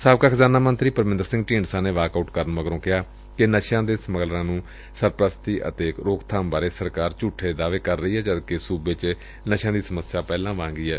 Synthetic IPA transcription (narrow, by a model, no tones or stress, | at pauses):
saːbkaːkʰəzaːnaːmənt̪ɾiːpəɾmɪnd̪əɾsɪ̃ŋɡʈĩːɳɖsãːneːʋaːkauːʈkəɾənməɡəɾõːkɪɦaː | kɪnəʃãːd̪eːsəməɡlɾãːnũː | səɾpɾəst̪iːʔə̰t̪eːkɾoːkt̪ʰaːmbaːɾeːsəɾkaːɾt͡ʃuːʈʰːeːd̪aːʋeːkəɾːəiːɦɛːd͡ʒəd̪kesuːbeːt͡ʃ | nəʃãːd̪iːsəməsɪjaːpɛːlãːʋãːŋɡiːɦɛː